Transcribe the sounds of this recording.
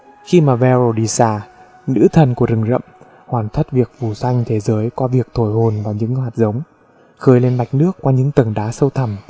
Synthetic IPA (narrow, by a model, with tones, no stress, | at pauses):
xi˧maː˨˩vɛ˧ɾo˧˩ɗi˧saː˧˩ | nɨ̰˧˥t̪ʰə˨˩nku˧˩əzɨ˨˩ŋzə̰˧˨m | hwaː˨˩nt̪ʰə˦˥t̚vi˨˩ək̚vu˨˩sa˧jŋ̟t̪ʰe˨˦zəː˨˦jkɔ˨˦vi˨˩ək̚t̪ʰo˧˩jho˨˩nvaː˨˩wɲɨ̰˧˥ŋhwaː˨˩t̚zə˨˦wŋ͡m | xəː˨˦jle˧nma˨˩jk̟̚nɨ˦˥əkːwaː˧ɲɨ̰˧˥ŋt̪ə˨˩ŋɗaː˨˦sə˧wt̪ʰə˨˩m